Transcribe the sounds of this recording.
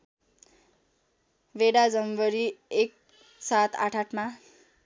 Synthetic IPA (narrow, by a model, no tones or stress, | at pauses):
beɽad͡zʌmbʌɾiek̚ | sat̪ʰa̰ʈʰaʈma